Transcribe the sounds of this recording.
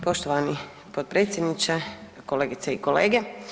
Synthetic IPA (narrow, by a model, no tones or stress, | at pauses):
poʃt̪oʋani | pot̪̚pɾeːt̪sjed̪nit͡ʃe | koleːɡit̪seikoleːɡe